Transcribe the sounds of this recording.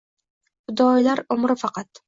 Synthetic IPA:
hʊd̪ɒjlaɾʊmɾɪfɑqɑt̪

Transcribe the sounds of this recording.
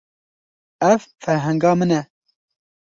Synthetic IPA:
ɛvfɛɾɦɛŋɡɑːmɨnɛ

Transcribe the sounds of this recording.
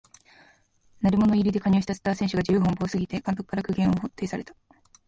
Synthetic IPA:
naɾʲimo̞no̞iɾʲid̪e̞kaɲʲioːɕit̪asɨ̥t̪aːsẽ̞ɕɨɡad͡ʑɨɯːɦõmbo̞ːsɨɡʲit̪e̞kãnt̪o̞kɯ̥kaɾakɯ̟ɡẽ̞ɰ̃o̞ɦot̪ːe̞ːsaɾe̞t̪ḁ

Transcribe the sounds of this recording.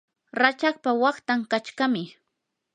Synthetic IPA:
ɾat͡ʃaχpawɑχt̪aŋkat͡ʃkamɪ

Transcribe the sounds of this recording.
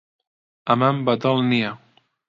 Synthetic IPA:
amambat̪ɔlnia

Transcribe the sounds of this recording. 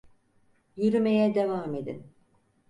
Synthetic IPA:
jyɾymejɛd̪evaːmed̪ḭn

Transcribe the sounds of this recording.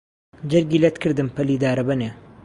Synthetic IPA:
d͡ʒɐɾɡiːlɐt̪kʰɨɾd̪ɨmpɐliːd̪aːɾɐbɐne

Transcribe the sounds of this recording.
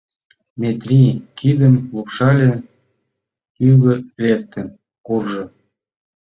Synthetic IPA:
mʲet̪rʲikid̪əmlupʃɑlʲe | yɣø̆lek̚t̪ə̆n | kurʒɤ̆

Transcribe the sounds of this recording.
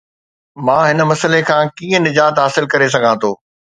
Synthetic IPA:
mãːɦɪnə̆mɐsəlekʰãːkĩːə̃nɪd͡ʑaːt̪ɦaːsɪlkɐɾes̬ɐɡʱãːt̪ʰoː

